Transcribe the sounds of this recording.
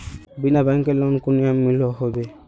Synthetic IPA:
binabaŋkɛlɔnkuniamːilɔɦɔbɛ

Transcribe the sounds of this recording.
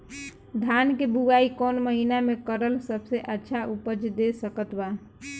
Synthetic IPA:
d̪ʱankebuɡaikɔnməɦinamekəɾəlsəbʱseʔətːʃʰaʔupəd͡ʒd̪esəkət̪ba

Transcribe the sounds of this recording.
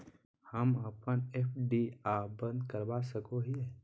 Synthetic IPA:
həməpənepʰɖiaːbə̃nd̪kəɾbasəkoɦiɦɛ

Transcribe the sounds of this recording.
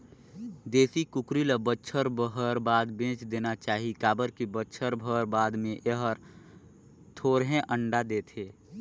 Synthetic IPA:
d̪eːsikʊkɾiləbətːʃʰəɾbəɦəɾbaːd̪bẽːt͡ʃd̪eːnat͡ʃaːɦikaːbəɾkibətːʃʰəɾbʱəɾbaːd̪mẽʔeɦəɾ | t̪ʰoːɾɦẽʔəɳɖad̪eːt̪ʰeː

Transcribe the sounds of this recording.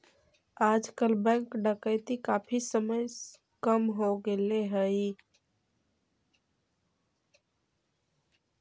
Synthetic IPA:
ad͡ʒkəlbɛ̃ŋkɖəkəɪt̪ikapʰisəməj | kəmɦoɡeleɦəɪ

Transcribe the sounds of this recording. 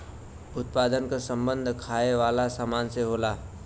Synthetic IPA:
ʊt̪paːd̪ənkasə̃mbə̃nd̪ʱkʰaːeʋaːlasaːmaːnseɦoːlaː

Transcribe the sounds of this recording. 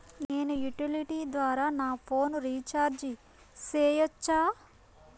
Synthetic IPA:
neːnujuʈiliʈiːd̪ʋaːɾaːnaːpʰoːnɾiːt͡ʃaːɾd͡ʒi | seːjɔt͡ʃːaː

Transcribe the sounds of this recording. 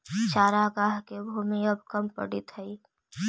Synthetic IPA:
t͡ʃaːɾaɡaːɦkebʱuːmiɐb̚kɐmpə̰ɽɪt̪ɦɐi

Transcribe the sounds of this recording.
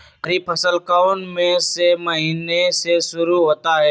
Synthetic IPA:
ɾiːpʰəsəlkaʊnmẽseməɦiːnesesʊɾuɦoːt̪aɦɛː

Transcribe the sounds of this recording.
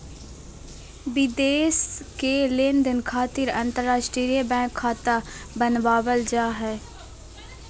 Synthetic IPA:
ʋɪd̪eːskeleːnd̪ɪnkʰaːt̪ɪɾɐ̃nt̪əɾːaːʃʈɾiːjəbɛ̃ːkʰːaːt̪a | bənʋaːʋəld͡ʒaːɦɛː

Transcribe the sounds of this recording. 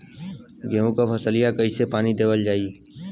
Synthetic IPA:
ɡʱeːõkapʰəsəlɪjakəisepaːnid̪eːʋəld͡ʒaːi

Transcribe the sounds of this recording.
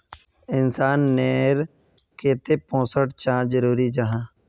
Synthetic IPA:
ɪnsaːnːeːɾ | keːt̪epɔ̃ːsəʈt͡ʃãːd͡ʒəɾuːɾid͡ʒəɦãː

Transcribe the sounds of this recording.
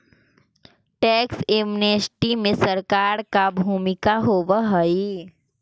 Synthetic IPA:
ʈɛːkseːmnesʈimẽsɐɾkaːɾkabʱuːmɪkaɦoːʋaɦəi

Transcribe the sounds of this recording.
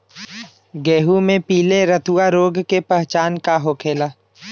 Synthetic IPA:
ɡɛːɦumẽpiːleɾət̪uaɾoːɡkepəɦt͡ʃaːnkaɦoːkʰeːlaː

